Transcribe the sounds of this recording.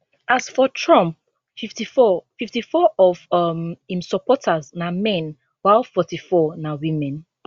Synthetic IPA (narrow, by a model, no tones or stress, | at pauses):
asfɔtʰɹɔ̃mp̚ | fiftifɔfiftifɔʔɔvʌmhĩmsɔpɔtʰaznamɛ̃n | waɪlˠfɔtifɔnawimɛ̃n